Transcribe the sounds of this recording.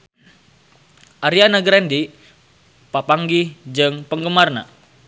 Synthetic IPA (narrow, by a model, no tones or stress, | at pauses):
ʔaɾianaɡɾɛndi | papaŋɡid͡ʒɨŋpəŋɡəmarna̰